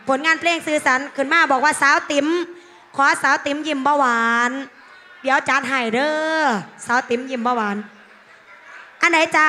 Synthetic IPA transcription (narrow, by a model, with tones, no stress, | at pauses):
pʰo˨˩˦nŋaː˧npʰleː˧ŋsɯː˧˩sa˨˩˦nkʰɯː˨˩nmaː˧˥˩bɔː˨˩k̚waː˧˥˩saː˨˦wt̪i˩˦m | kʰɔː˨˦saː˨˦˥wt̪i˨˩˦mji˧˩mbɔː˧˩waː˧˦n | di˩˦əwt͡ɕa˨˦t̪̚ɦa˨˩jdɤː˧˩saː˨˦˥wt̪i˨˦mji˧˩mbɔː˧˩waː˨˦n | ʔa˧nda˨˦jt͡ɕa˧